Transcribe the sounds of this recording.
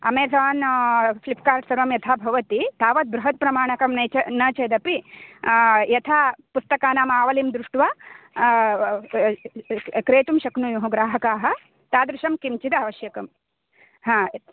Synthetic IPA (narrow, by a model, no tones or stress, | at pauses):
ɐ̰meːsaːnslipʰkaːɾʈsɐɾʋɐmjɐt̪ʰaːbʱɐʋɐt̪it̪ʰaːʋɐt̪̚bɾuɦɐt̪̚pɾɐmaːɳɐkɐmnɐt͡ʃɐnɐːt͡ʃɐjd̪ɐpi | jɐt̪ʰaːpust̪ɐkaːnaːmaːʋɐlimd̪ɾuʂʈʋaː | kɾeːt̪umʃɐknujuɦɐɡɾaːɦɐkaːɦɐ̆ | t̪aːd̪ɾuʃɐmkimt͡ʃid̪ɐɐʋɐʃjɐkɐm | ɦãː